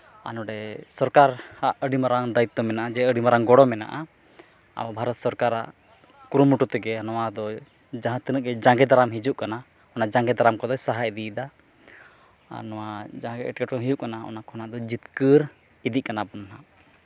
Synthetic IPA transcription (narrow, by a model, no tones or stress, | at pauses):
a̰nɔɖɛsɔɾkaɾhaʔəɖimaɾaŋd̪ait̪ːɔmɛnaʔad͡ʒɛəɖimaɾaŋɡɔɽɔmɛna̰ʔa | a̰babʱaɾɔt̪sɔɾkaɾa̰ʔ | kuɾumuʈut̪ɛɡɛnɔwad̪ɔ | d͡ʒãɦãt̪inəʔɡɛd͡ʒaŋɡɛd̪aɾamɦid͡ʒuʔkana | ɔnad͡ʒaŋɡɛd̪aɾamkɔd̪ɔjsaɦajd̪id̪a | nɔwad͡ʒaɦãɡɛʔɛʈkɛʈkɔɦid͡ʒuʔkanaɔ̰nakɔnaʔd̪ɔd͡ʒit̪kəɾ | id̪iʔ̚kanabɔnɦa